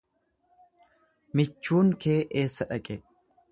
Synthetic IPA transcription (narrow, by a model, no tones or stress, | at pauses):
mɪt͡ʃːuːŋkʰe̞ːʔeːsːɐᶑɐkʼɛ